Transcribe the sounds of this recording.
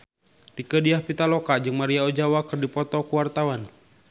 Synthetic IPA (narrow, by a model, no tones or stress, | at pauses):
dikədiahpit̪alokad͡ʒɨŋmaɾiaod͡ʒawakɨrdipɔt̪ɔkuwart̪awan